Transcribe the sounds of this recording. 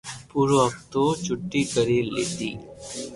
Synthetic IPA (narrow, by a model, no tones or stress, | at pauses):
puːɾoɐkt̪ot͡ʃʊʈːikəɾeːlḛːt̪ḭː